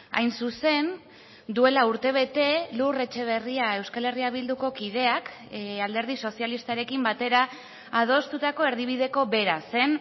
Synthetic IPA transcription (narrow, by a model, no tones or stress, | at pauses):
a̰jnsuse̞n | d̪ue̞lauɾt̪e̞β̞e̞t̪e̞lure̞t͡ʃe̞β̞e̞riae̞wskale̞riaβild̪uko̞kið̞e̞akald̪e̞ɾð̞iso̞sialist̪aɾe̞kimbat̪e̞ɾa | að̞o̞st̪ut̪ako̞e̞ɾðiβ̞iðe̞ko̞βe̞ɾase̞n